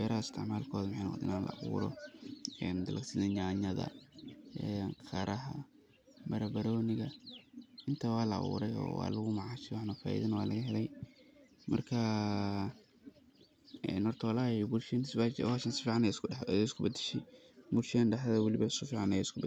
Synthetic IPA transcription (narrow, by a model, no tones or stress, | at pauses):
wɛːɾɐhɐɪst̪ʰɪ̰ʕmaːlkʰɔːðɐmħɛnɐɔ̰d̪ɪ̰naːnlɐ̰ɐ̰βṵːɾɔ̰ɛːnd̪ɐlʔɐɡsɪðɐɲaːɲɐðɐ̰ | ɛŋkʰɐɾʔɐɦɐ̰ | mɐɾɐbɐɾɔːnɪɣɐ | ɪnt̪ʰɐwɑːlɐɐ̰βṵːɾɛjɔ̰ːwɑ̰ːlɐɣʊmɑʕɑːʃɛwɑħnɐfa̰ːjɪ̰ðɐnwaːlɐɣɐɦɛlɛj | mɐ̰rkʰɐ | ɛ̰nhɔrt̪ʰwlaːibʊlʃnsbawaʃɐnsɪ̥fiːʕɑnɛjɪskʊħjɛɪskʰʊbɐd̪ɪʃɛj | bʊrʃɪɐnɖɐħðɐwɑlɪβɐsʊfiːʕɑnɛjɛɪskʰʊb